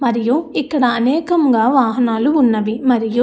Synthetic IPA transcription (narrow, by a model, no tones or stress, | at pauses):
mɐɾijuikːɐɽɐːnɛːkɐmɡaːʋaːɦɐnaːluːnːɐʋimɐɾiju